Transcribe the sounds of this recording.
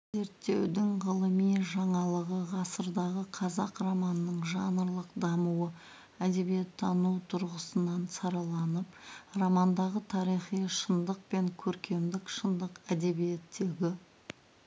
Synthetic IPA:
ze̞ɾt̪ːe̞wd̪ɪŋʁəlˠəmijʒɑɴɑlˠəʁəʁɑsəɾd̪ɑʁəqʰɑzɑqrɑmɑnənəɴʒɑnəɾlˠəqd̪ɑmuwə | æd̪e̞bijet̪ʰːɑnuwt̪ʰʊɾʁəsənɑnsɑɾɑlˠɑnəprɑmɑnd̪ɑʁət̪ʰɑɾijχijʃənd̪əq̚pe̞ŋkʲʰɵɾkʲʰe̞md̪ɪkʃənd̪əqæd̪e̞bije̞t̪ːe̞ɡʲɪ

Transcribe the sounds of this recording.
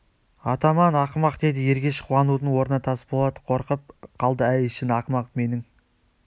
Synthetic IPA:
ɑt̪ɑmɑnɑqəmɑqd̪e̞d̪ɪje̞ɾɡʲe̞ʃə̥qʰuɑnud̪əɴwo̞ɾənɑt̪ʰɑsə̥pbo̞lˠɑd̪əqʰo̞ɾqəp̚qʰɑlˠd̪əæjɪʃɪnɑqmɑqpme̞nɪŋ

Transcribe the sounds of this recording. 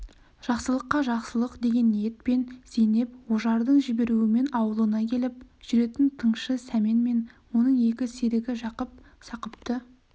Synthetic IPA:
ʒ̥ɑqsəlˠəqːɑʒɑqsəlˠəqd̪e̞ɡʲe̞nːijet̪̚pe̞nsejne̞p̚woʒɑɾd̪əɴʒɪbe̞ɾuɪme̞nɑwəlˠənɑkʲʰe̞lɪp̚ʒ̥ʏɾe̞t̪ɪnt̪ʰəɴʃəsæme̞nme̞nwo̞nəɴe̞kʲɪseɾɪɡʲɪʒɑqəp̚ | sɑqəp̚t̪ə

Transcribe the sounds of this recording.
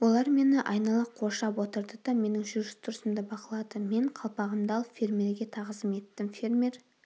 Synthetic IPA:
wo̞lˠɑɾme̞nɪʔɑjnɑlˠɑqʰo̞ɾʃɑpwo̞t̪əɾd̪əd̪̥ɑme̞nɪŋʒʏɾʒʏst̪ʰʊɾsəmd̪əbɑqəlˠɑd̪əme̞ɴqʰɑlˠpɑʁəmd̪ɑlˠpfʲe̞ɾmʲe̞ɾɡʲe̞t̪ʰɑʁəzəme̞t̪ːɪmfʲeɾmʲe̞ɾ

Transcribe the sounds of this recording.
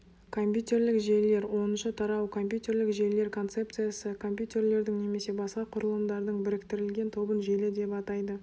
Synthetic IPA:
kʰo̞mpʲjut̪ʲe̞ɾlɪkʒele̞ɾwo̞nənʃət̪ʰɑɾɑwkʰo̞mpjut̪ʲe̞ɾlɪkʒe̞jle̞ɾkʰo̞nt̪se̞p̚t̪sɨjasəkʰo̞mpʲjut̪ʲe̞ɾle̞ɾd̪ɪŋne̞me̞se̞bɑsqɑqʰʊɾəlˠəmd̪ɑɾd̪əɴbɪɾɪkt̪ɪɾɪlɡʲe̞nt̪ʰo̞bənʒelɪd̪e̞pɑt̪ɑjd̪ə

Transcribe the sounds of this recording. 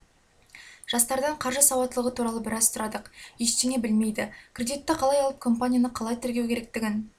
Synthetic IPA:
ʒ̥ɑst̪ɑɾd̪ɑɴqʰɑɾʒəsɑwɑt̪ːəlˠəʁət̪ʰuɾɑlˠəbɪɾɑzt̪ʊɾɑd̪əqjeʃt̪eŋʲe̞bɪlme̞jd̪ɪkʲrʲed̪ijt̪ːɪqʰɑlˠɑjɑlˠəp̚kʰo̞mpanʲijanəqʰɑlˠɑjt̪ʰɪɾɡʲe̞wkʲʰe̞ɾe̞k̚t̪ɪɡʲɪn

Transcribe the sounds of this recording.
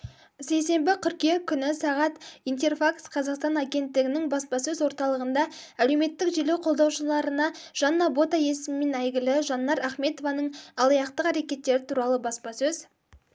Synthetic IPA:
se̞jse̞mbɪqʲʰʏɾkʲe̞ŋkʲʰʏnɪsɑʁɑt̪ijnt̪e̞rfaksqʰɑzɑqst̪ɑnaɡʲe̞nt̪ːɪɡʲɪnɪŋbɑspɑsɵzwo̞ɾt̪ɑlˠəʁənd̪ɑ | ælewme̞t̪ːɪkʒelewqʰo̞lˠd̪ɑwʃəlˠɑɾənɑʒ̥ɑnːɑbo̞t̪ɑje̞sɪmɪme̞næjɡʲɪlɪʒɑnːɑɾæχme̞t̪o̞vɑnəɴɑlˠɑjɑqt̪əqæɾe̞kʲe̞t̪ːe̞ɾɪt̪ʰuɾɑlˠəbɑspɑsɵz

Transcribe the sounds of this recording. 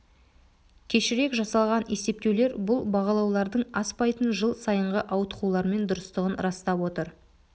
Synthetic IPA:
kʲʰe̞ʃɪɾe̞kʒɑsɑlˠʁɑne̞se̞p̚t̪e̞wle̞ɾbʊlˠbɑʁɑlˠɑwlˠɑɾd̪əɴɑspɑjt̪ənʒəlˠsɑjəɴʁəʔɑwt̪ə̥qulˠɑɾme̞nd̪ʊɾəst̪əʁənɾɑst̪ɑpwo̞t̪əɾ

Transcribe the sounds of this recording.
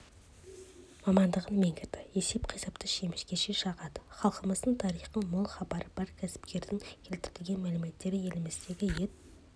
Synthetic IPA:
mɑmɑnd̪əʁənmeŋɡʲɪɾd̪ɪe̞se̞pqʰijsɑpt̪ʰəʃe̞mɪskʲe̞ʃeʃɑʁɑd̪ə̥χɑlˠqəməzd̪əɴt̪ʰɑɾijχəmʊlˠχɑbɑɾəb̥ɑɾkʲʰæsɪ̥pkʲe̞ɾd̪ɪŋkʲʰe̞lt̪ɪɾɪlʲɡʲe̞nmælɪme̞t̪ːe̞ɾɪje̞lɪmɪzd̪e̞ɡʲɪjet̪

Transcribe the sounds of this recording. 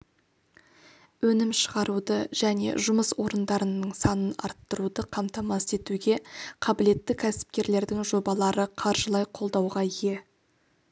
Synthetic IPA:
wɵnɪmʃəʁɑɾud̪əʒæne̞̰ʒʊməswo̞ɾənd̪ɑɾənəɴsɑnənɑ̰ɾt̪ːəɾud̪əqʰɑmt̪ɑmɑse̞t̪uɡʲe̞qʰɑbɪle̞t̪ːɪkʲʰæsɪ̥p̚kʲe̞ɾle̞ɾd̪ɪŋʒo̞bɑlˠɑɾəqʰɑɾʒəlˠɑjqʰo̞lˠd̪ɑwʁɑje̞

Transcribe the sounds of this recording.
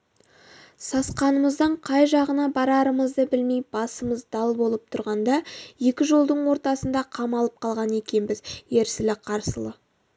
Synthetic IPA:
sɑsqɑnəməzd̪əɴqʰɑjʒɑʁənɑbɑɾɑɾəməzd̪əbɪlmejbɑsəməzd̪ɑlˠbo̞lˠəp̚t̪ʰʊɾʁɑnd̪ɑje̞kʲɪʒo̞lˠd̪əɴwo̞ɾt̪ɑsənd̪ɑqʰɑmɑlˠəp̚qʰɑlˠʁɑne̞kʲe̞nbɪzje̞ɾsɪlɪqʰɑɾsəlˠə

